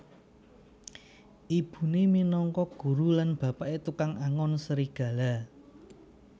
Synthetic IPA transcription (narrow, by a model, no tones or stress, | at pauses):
ʔib̥ṳneminɔŋkɔɡ̥ṳɾulanb̥a̤paʔet̪ukaŋaŋɔnsəɾiɡ̥ä̤la